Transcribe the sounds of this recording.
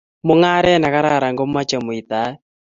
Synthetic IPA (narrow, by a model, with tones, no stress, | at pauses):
mʊ˦ŋa˦ɾɛ˦na˨ka˦ɾa˦˨ɾa˨ŋɡɔ˦m˦a˦t͡ʃɛ˨mʊ˨i˨t̪a˨˦